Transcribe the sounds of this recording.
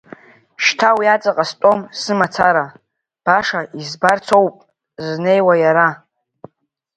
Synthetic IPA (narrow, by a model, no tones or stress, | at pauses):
ʃtʰawjat͡sʼaqʼastʼo̞msɨmat͡sʰaɾa | b̥aʂaizbart͡sʰo̞wpʼ | zne̞jwajaɾa